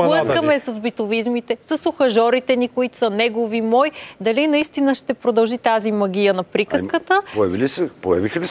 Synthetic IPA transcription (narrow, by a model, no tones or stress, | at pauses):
ləskəmɛsɐzbit̪ʊvizmit̪ɛsɐsoxɐʒɔɾit̪ɛnikoit̪sɐnɛɡovimɔjd̪ɐlinɐist̪inəʃt̪ɛpɾod̪ɐlˠʒit̪azimɐɡʲijənɐpɾikəskət̪əpojɐvilisɛpojɐvixɐli